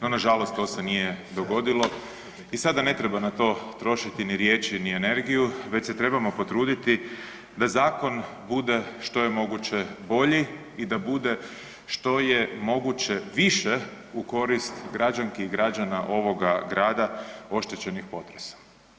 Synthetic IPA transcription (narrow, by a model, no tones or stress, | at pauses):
nonaʒalo̞st̪t̪o̞se̞nije̞d̪o̞ɡo̞d̪ilo̞ | isad̪ane̞t̪ɾe̞banat̪o̞ːt̪ɾo̞ʃit̪iniɾjeːt͡ʃinie̞ne̞ɾɡijuʋe̞t͡ɕset̪ɾe̞bamo̞po̞t̪ɾuːd̪it̪i | d̪azaːko̞n | bud̪e̞ʃt̪o̞je̞mo̞ɡut͡ɕe̞bo̞ʎi | id̪abud̪e̞ | ʃt̪o̞jemo̞ɡut͡ɕeʋiʃe | uko̞ɾist̪ɡɾad͡ʒaŋkeiɡɾad͡ʒanaʔo̞ʋo̞ɡaɡɾaːd̪ao̞ʃt̪e̞t͡ɕe̞nixpo̞t̪ɾesḁ